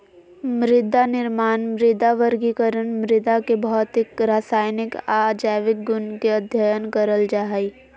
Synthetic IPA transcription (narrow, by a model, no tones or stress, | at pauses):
mɾɪd̪anɪɾmaːnmɾɪd̪aʋəɾɡikəɾənmɾɪd̪akebɔɔt̪ɪkɾaːsaːjnɪkaːd͡ʒaːʋɪk̚ɡʊnkeɐd̪ʱjajənkəɾəld͡ʒaːɦi